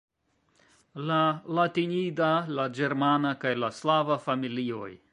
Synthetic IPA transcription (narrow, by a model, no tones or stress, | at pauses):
lalatinidalad͡ʒeɾmanakajlaslavafamilio̰j